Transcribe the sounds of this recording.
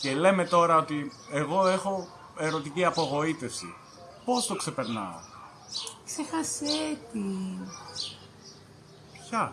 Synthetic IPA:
ce̞le̞me̞t̪o̞ɾɐot̪i | eɣo̞e̞xo̞ | e̞ɾo̞t̪iciɐpo̞ɣo̞it̪e̞fsḭ | po̞st̪o̞kse̞pe̞ɾnɐ̰o̰ | ksexɐset̪i | çɐ

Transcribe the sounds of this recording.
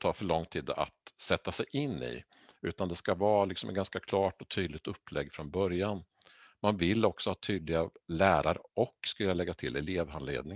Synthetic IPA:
t̪ʰɑːfœɭɔŋːt̪ʰiːd̪a̰t̪sɛt̪ːasɛjʔɪnːɪ̰ | ʉ̟ːt̪and̪ɛskavɑːlɪksɔmɛ̰ɡanskakʰlɑːʈɔt̪ʰyːd̪lɪk̚t̪ɵpːlɛɡːfɾɔnbœɾjan | manvɪlːɔksɔhɑːt̪ʰyːd̪lɪɡalæːɾaɾɔkːskɵljalɛɡːat̪ʰɪlɛleːvanlḛːd̪nɪŋ

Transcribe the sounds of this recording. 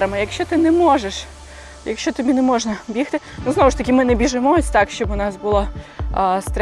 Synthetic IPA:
ɾɐmɐjɐkʃt͡ʃɔt̪ɪnɛmɔʒeʃ | jɐkʃt͡ʃɔt̪ɐbʲinɛmɔʒnɐbʲixt̪ɪnuznɔʋʊʂt̪ɐkʲimɪnɛbʲiʒɪmɔsʲt̪ɑkʃt͡ʃɔbʊnɑsbʊlˠɔ | st̪ɾ

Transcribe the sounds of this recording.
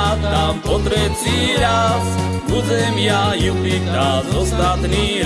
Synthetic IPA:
t̪ampɔt̪ɾɛt̪siɾas | bud̪ɛmjajupitnazɔsd̪at̪niɾ

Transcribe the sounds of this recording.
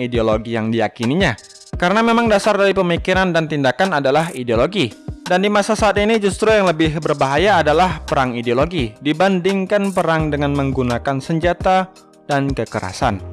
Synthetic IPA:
ideoloɡijaŋdijakiniɲa | kaɾənamemaŋdasardaɾipəmikiɾandant̪indakanadalaɦideoloɡidandimasasaːt̪inid͡ʒust̪ɾujaŋləbɪhbərbaɦajaːdalahpəɾaŋideoloɡidibandɪŋkanpəɾaŋdəŋanməŋɡunakansəɲd͡ʒat̪a | d̥ankəkəɾa̰sa̰n

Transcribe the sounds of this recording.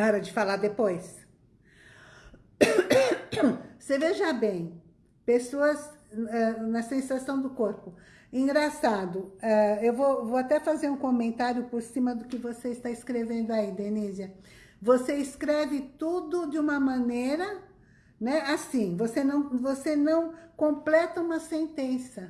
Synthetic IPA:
ɔɾɐd͡ʒɪfalad̪epojs | seveʒabẽj̃ | pesoɐz | ɛnɐsẽsasɐ̃w̃d̪ʊkoɾpʊ | ĩɡɾasad̪ʊɛewvovoat̪ɛfazeɾũkõmẽnt̪aɾjʊpoɾsĩmɐd̪ʊkɪvoseɪst̪aɪskɾevẽnd̪ʊaid̪enizjɐ | voseɪskɾɛvɪt̪ud̪ʊd͡ʒɪũmɐmɐ̃neɾɐ | nɛasĩvosenɐ̃w̃vosenɐ̃w̃kõplɛt̪ɐũmɐsẽnt̪ẽsɐ

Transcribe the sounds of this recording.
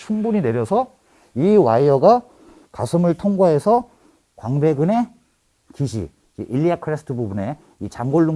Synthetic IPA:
t͡ɕʰuŋbuɲine̞ɾjʌsʰʌ | iwaiʌɡa | kasʰɯmɯɭtʰoŋɡwaɦe̞sʰʌ | kwaŋbe̞ɡɯne̞ | kiɕʰḭ | d͡ʑeʔiʎːiakʰɯɾesʰɯ̥tʰɯbubune̞ | it͡ɕaŋɡoɭːu

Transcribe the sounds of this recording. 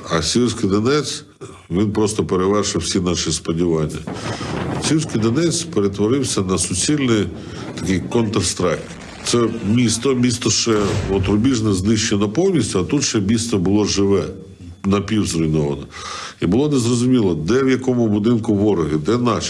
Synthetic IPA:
ɐsʲilʲˠsʲkɪjd̪ɐnɛt͡sʲ | ʋʲinpɾɔst̪ɔpeɾeʋɛrʃɪwsʲinɑʃispɔdʲiʋɑnʲːɐ̰ | sʲiwʲsʲkɪjd̪ɐnɛt͡sʲpeɾet̪ʋɔɾɪwsʲɐnɐsʊt͡sʲilʲnɪj | t̪ɐ̥kɪjkɔnt̪rst̪ɾɑkt | t̪sɛmʲist̪ɔmʲist̪ɔʃɛɔt̪ɾʊbʲiʒnɛznɪʃt͡ʃɛnɐpɔwnʲisʲtʲʊɐt̪ut̪ʃɛmʲist̪ɔbʊlˠɔʒɪʋɛ | nɐpʲiwzɾʊjnɔʋɐnɔ | ibʊlˠɔnezrɔzʊmʲilˠɔd̪ɛwjɐkɔmʊbʊd̪ɪnkʊʋɔɾɔɦɪd̪ɛnɑʃ

